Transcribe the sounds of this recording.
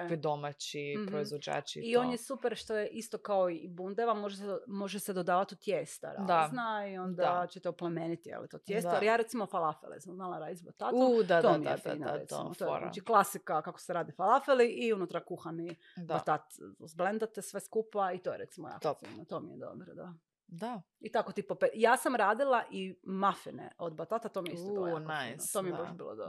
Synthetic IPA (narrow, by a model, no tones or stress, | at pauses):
kid̪omat͡ɕipɾoizʋod͡ʒa̰ːt͡ʃiionjesupeɾʃt̪ojeʔist̪okaoibund̪eʋamo̞ʒesmo̞ʒesed̪od̪aːʋat̪ut̪jest̪a̰ɾad̪anaio̞nd̪aat͡ɕet̪eoplemeːnit̪ijḛlḭt̪ot̪jest̪aalijaɾe̞t̪simofalafelḭsmznalˠaɾaːd̪isbot̪at̪ud̪ad̪t̪omijḛfna̰ɾḛt̪ḭmot̪o̰na̰t͡ʃiklˠasikakako̥seɾaːd̪ifalˠafeliʔiunut̪ɾakuxani | bbat̪at̪zblend̪at̪esʋeskupait̪ojeɾet̪simoja̰koḭnot̪oːmijed̪o̰bɾod̪a | d̪a | it̪akot̪ipopejaːsamɾaːd̪ilˠaʔimafinḛʔod̪bat̪at̪at̪omijest̪ːinot̪omieebaʃbḭːlˠo̰d̪o